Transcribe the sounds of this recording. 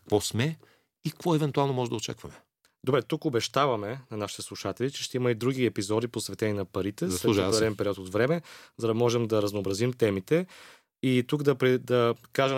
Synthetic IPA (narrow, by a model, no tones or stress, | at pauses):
kɐ̥kvɔsmɛ | ikvɔɛvɛnt̪ualˠnomɔʒɛd̪ɐot͡ʃa̰kvɐmɛ | d̪obɾɛt̪ukobɛʃt̪avɐmɛnɐnaʃit̪ɛslˠuʃat̪ɛlit͡ʃɛ̥ʃt̪ɛimɐid̪ɾuɡiɛpizɔd̪iposvɛt̪ɛniɛnɐpɐɾit̪ɛslɛʒɾɛɛnpɛɾiɔt̪ot̪vɾɛmɛzɐd̪ɐmɔʒɛmd̪ɐɾɐznoːbɾɐzimt̪ɛmit̪ɛ | it̪ukd̪ɐpɾɛd̪ɐkaʒɛ